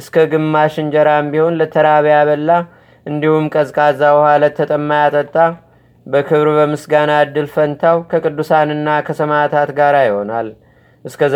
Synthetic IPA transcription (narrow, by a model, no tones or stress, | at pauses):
ʔɨskʰəɡɨmːaʃɨnd͡ʒəɾambiho̞nlət̪ʰəɾaβjaβəlːa | ʔɨnd̪ihumkʼəzkʼazːabəhalat̪ʰːət̪ʼəmːajat̪ʼət̪ʼːa | bəkʰɨβɾbəmɨsɡanad̪ːɨlfənt̪ʰawkʰəkʼɨd̪ːusanɨnːakʰəsəmat̪ʰat̪ɡaɾajɪho̞nal | ʔɨskʰə